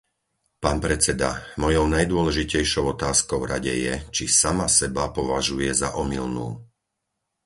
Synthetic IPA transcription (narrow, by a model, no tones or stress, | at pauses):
paːnpɾɛt͡sɛd̪a̰mɔjɔʊnajd̪ʊɔlɛʒicɛjʃɔʊɔt̪aːskɔʊɾaɟɛ̰jɛt͡ʃisamasɛbapɔʋaʒujɛzaʔɔmilnṵː